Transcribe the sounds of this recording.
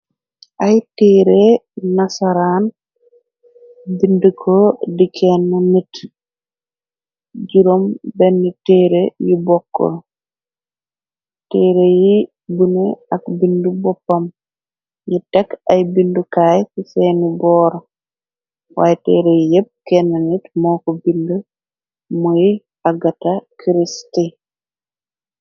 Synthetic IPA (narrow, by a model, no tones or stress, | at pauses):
ʔajtɛːɾenasaɾaːn | bindukʰodikʰɛnːanit | d͡ʒuɾombɛnːitɛːɾejibɔkːɔ̰l | tɛːɾeji | buneɐkbindubɔpːɐm | ɲitɛkajbindukaːjsisenibɔːɾ | wa̰ːjɛtɛ̰ːɾejijɛp̚kɛnːɐnitmɔːkɔbindu | muj | aɡatakʰiɾisti